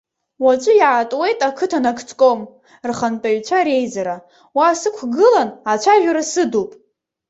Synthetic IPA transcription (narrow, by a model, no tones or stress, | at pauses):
wat͡ʃʷʼʊjatʼwe̞jtʼakʰɨtʰanakʰʼt͡sʼkʼom | rχanpʼaɥt͡ʃʷʰaɾe̞jzaɾa | wasɨkʷʰɡɨlanat͡ʃʷʰaʒᶣaɾasɨdopʼ